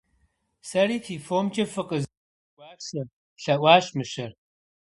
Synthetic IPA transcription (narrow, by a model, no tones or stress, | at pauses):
sɐriːtʰiːfoːmt͡ʃʼɐfɨqʼəzʷ | aːsɐ | ɬɐʔʷaːɕmɨɕɐr